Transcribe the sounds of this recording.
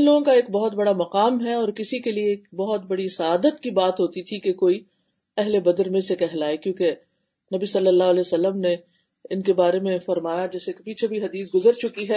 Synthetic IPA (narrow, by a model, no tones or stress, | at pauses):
ɪ̃nloːɡõkaeːk̚bɐɦʊt̪̚bɐɽamɐqaːmɦɛɔːɾkɪsikelieːkbɔɦʊt̪̚bɐɽisɐaːd̪ət̪kibaːt̪ɦoːt̪it̪ʰikekoːi | ɛɦlebɐd̪əɾmẽsekɛɦlaːekjõːke | nɐbisɐlːəlːaːɦɐlɛːsɐlːəmne | ɪnkebaːɾemẽfɐɾmaːjad͡ʒɛːsekepiːt͡ʃʰebʱiɦɐd̪iːs̬ɡʊzəɾt͡ʃʊkiɦɛː